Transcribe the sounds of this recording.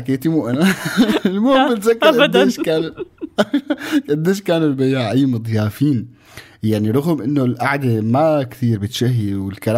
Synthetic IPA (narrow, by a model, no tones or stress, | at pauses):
akːeːt̪imuʔanalmuːmbɪt̪zakːɪɾd̪eːʃkaːn | ʔɪd̪ːeːʃkaːnʊlbajaːʕʔajːmɨd̪ˤjaːfiːn | jaʕniɾˤʊɣʊmʔɪnːolʔaʕd̪emakt̪iːɾbɪt̪ʃaɦːiwɪlkaɾa